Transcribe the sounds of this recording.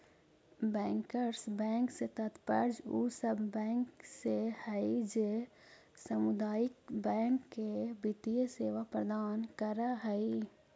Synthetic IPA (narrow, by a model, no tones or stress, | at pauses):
bɛ̃ːŋkəɾsbɛ̃ːŋkset̪ət̪pəɾd͡ʒuːsəbʱːɛ̃ːŋksehəid͡ʒe | səmʊd̪aːjɪkbɛ̃ːŋkːebɪt̪ijəseːʋapɾəd̪aːnkəɾaɦəi